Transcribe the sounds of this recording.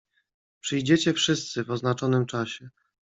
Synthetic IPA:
pʂɘjd͡ʑɛt͡ɕɛfʂɘst̪sɘvɔznat͡ʂɔnɘmt͡ʂaɕɛ

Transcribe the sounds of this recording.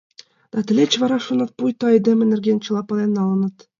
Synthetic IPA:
d̪̥ɑt̪ɘ̆lʲet͡ɕvɑɾɑʃunɤ̆t̪̚pujt̪ɑed̪ʲemʲɘ̆nɘ̆rɡʲent͡ɕɤ̆lˠɑpɑlˠenːɑlɤ̆nɤ̆t̪

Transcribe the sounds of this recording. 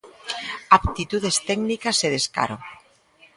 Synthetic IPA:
apt̪it̪uðest̪ɛɡnikaseðeska̰ɾo

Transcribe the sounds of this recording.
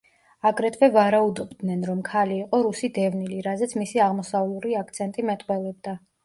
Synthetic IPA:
aɡɾɛt̪ʰvɛvaɾaud̪ɔbd̪nɛnɾɔmkʰaliːqʼɔɾusid̪ɛvniliɾazɛt̪sʰmisiaʁmɔsavluɾiak̚ʰt̪sʰɛnt̪ʼimɛt̪ʼqʼwɛlɛbd̪a

